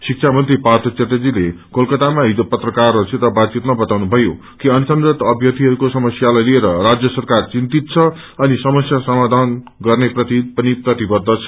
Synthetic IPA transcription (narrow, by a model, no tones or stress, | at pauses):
sik̚t͡sʰamʌnt̪ɾipart̪ʰʌt͡set̪ʌd͡zilekolkʌt̪amaɦid͡zopʌt̪rʌkarʌsʰit̪ʌbad̪̚t͡sit̪mabʌt̪awnubʱʌjo | kiʌnsʌnd̪ʌt̪ʌbʱjʌt̪iɦʌɾukosʌmʌsjalajlieɾʌrad͡zjʌsʌrkart͡sint̪it̪t͡sʰʌ | ʌnisʌmʌsjasʌmad̪ʱan | ɡʌrneprʌt̪ipʌniprʌt̪ibʌd̪ʱːʌt͡sʰʌ̥